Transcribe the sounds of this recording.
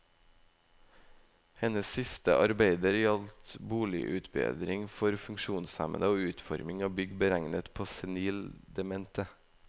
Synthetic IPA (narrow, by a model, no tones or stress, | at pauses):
hɛnəssɪst̪ə̰ʔɑɾbeɪd̪əɾjɑlt̪buːlɪ̰ʔʉːt̪bḛːd̪ɾɪŋfɔɾfʉŋʃuːnsæ̰mə̰nəoːʉːt̪fɔ̰ɾmɪŋɑːbʏɡbəɾæŋnət̪pʰoːsɛniːld̪ɛmɛnt̪ə